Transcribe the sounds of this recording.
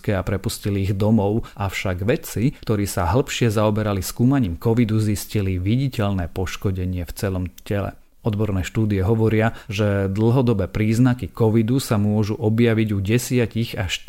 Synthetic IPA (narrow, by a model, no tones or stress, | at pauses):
kɛːapɾɛpusciliːɣd̪ɔmɔʊʔafʃaɡʋɛt͡sikt̪ɔɾiːsaɦl̩ˠpʃɪɛzaɔbɛɾaliskuːmaɲiːmkɔʋid̪uzisciliʋiɟicɛʎnɛːpɔʃkɔɟɛɲɪɛft͡sɛlɔmcɛlɛ̰ | ɔd̪bɔɾnɛːʃt̪uːd̪iɛɦɔʋɔɾɪaʒɛd̪l̩ˠɦɔd̪ɔbɛːpɾiːznakikɔʋid̪usamʊɔʒuʔɔbjaʋiɟuɟɛsɪaciɣaʃt̪